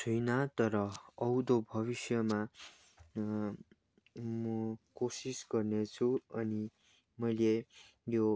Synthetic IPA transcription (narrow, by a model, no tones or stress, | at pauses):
t͡sʰujnat̪ʌɾʌʌwd̪obʱʌβisjʌma | mʌkosisɡʌrnet͡sʰuʌni | mʌjle | jo